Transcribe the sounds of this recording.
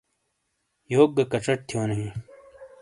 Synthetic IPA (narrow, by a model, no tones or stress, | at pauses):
joːk̚ɡːɐkɐʈ͡ʂɐʈ̚t̪ʰjoːnɐɦĩ